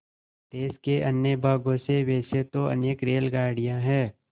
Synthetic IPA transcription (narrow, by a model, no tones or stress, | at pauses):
t̪eːskeʔɐnːjəbʱaːɡõseʋeːset̪oɐ̰neːkɾeːlɡaːɽɪjãɦɛː